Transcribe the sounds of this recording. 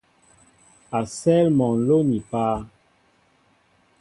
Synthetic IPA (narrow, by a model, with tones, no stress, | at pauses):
a˨sɛ˦lmɔ˨n̩˨lo˦ni˨paː˦